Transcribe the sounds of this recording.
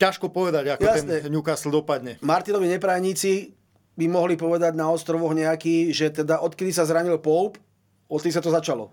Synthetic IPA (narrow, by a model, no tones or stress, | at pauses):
caʃkɔpɔʋɛd̪aɟakjɔjasɛnɲɛɲukasl̩d̪ɔpad̪ɲɛmaɾt̪inɔʋiɲɛpɾaːjɲiːt͡si | bimɔɦlipɔʋɛd̪aɟnaɔst̪ɾɔʋɔɣɲɛakiːʒɛt̪ɛd̪aʔɔt̪kɛd̪isazɾaɲilpɔlp | ɔt̪̚kɛd̪is̬at̪ɔzat͡ʃalɔ̰